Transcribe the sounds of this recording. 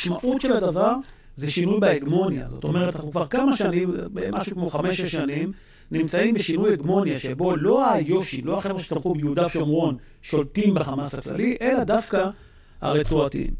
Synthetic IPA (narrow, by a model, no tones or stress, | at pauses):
ʃmaʔutʃe̞lad̪avaʁ | zeʃinujbeeɡmo̞nja̰zo̞̰t̪o̞me̞ʁ̞etaχukvaʁkamaʃanimbemʔaʃukmo̞χame̞ʃeʃanim | nimt͡saimbeʃinujeɡmo̞njaʃe̞bo̞lo̞ajo̞ʃilo̞aχeʁʃi̥t̪amχubejeud̪aʃomʁo̞n | ʃo̞ltimbeχamasakla̰liʔelad̪afka | a̰ʁet͡suatḭm